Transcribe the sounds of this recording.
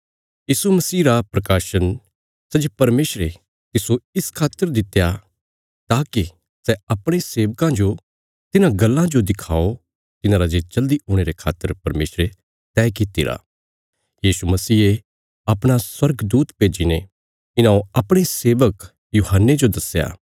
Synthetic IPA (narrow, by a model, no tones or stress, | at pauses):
jiːsumɐsiːɾapɾɐkaːʃən | sɛd͡ʒepɐɾmeːsɾe | t̪ɪsoɪskʰaːt̪ːəɾd̪ɪt̪ːja | t̪aːki | sɛɐpɽ̃eseːʋkãd͡ʒo | t̪ɪnãɡɐlːãd͡ʒod̪ɪkʰa̰ːo | t̪ɪnãɾad͡ʒet͡ʃɐld̪iɦʊːɽ̃eːɾekʰa̰ːt̪ːəɾpɐɾmeːsɾe | t̪ɛːkɪt̪ːiɾa̰ː | jiːsumɐsiːe | ɐpɽ̃aswɐɾɡd̪uːt̪peːd͡ʒine | ɪnãoɐpɽ̃eseːʋək | juːɦənːed͡ʒod̪ɐsja̰ː